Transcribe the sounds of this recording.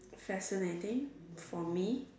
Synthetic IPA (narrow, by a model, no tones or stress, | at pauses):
fæsɪnetɪ̃ŋfɔmi